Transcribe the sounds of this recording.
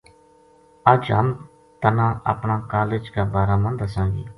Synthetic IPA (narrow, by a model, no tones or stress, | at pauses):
əd͡ʒɦəm | t̪ənãːʔə̰pɳãːkaːleːd͡ʒkaːbaːɾaːmə̃nd̪asãːɡḭː